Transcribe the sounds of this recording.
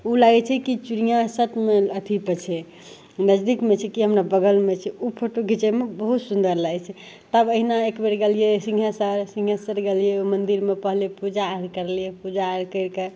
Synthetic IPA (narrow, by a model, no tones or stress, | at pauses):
ulaɡɛt͡ʃʰɛkit͡ʃuɾijãsət̪meət̪ʰipət͡ʃʰɛ | nəd͡ʒd̪ikmet͡ʃʰɛkiɦəmɾabəɡəlmet͡ʃʰɛupʰoʈoɡʱit͡ʃemebəɦut̪sund̪əɾlaɡɛt͡ʃʰɛ | t̪əbəɦinaekbeɾɡelijesĩŋɡʱɦasəɾsĩŋɡʱɦasəɾɡelijeomənd̪iɾmepəɦlepud͡ʒaːɾkəɾlijepud͡ʒaɾkəɪɾke